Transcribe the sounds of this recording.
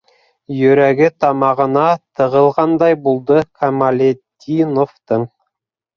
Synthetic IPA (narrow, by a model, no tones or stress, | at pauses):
jɵɾæɡʲɪt̪ʰɑmɑʁə̆nɑt̪ʰə̆ʁəlˠʁɑnd̪ɑjbulˠd̪əkʰamalʲet̪ʲːinoft̪əɴ